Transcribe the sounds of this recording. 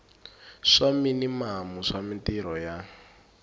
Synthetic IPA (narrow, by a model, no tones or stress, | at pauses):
ʂaminimamuʂamintiɾɔja